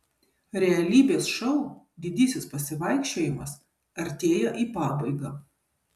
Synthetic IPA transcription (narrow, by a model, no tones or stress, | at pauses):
ɾʲɛɐlʲiːbʲeːsʃɐʊ | d̪ʲɪd̪ʲisʲɪspɐsʲɪʋɐɪkʃʲt͡ʃʲoːjɪmɐs | ɐɾʲt̪ʲeːjɛʔiːpɑːbɐɪɡɑː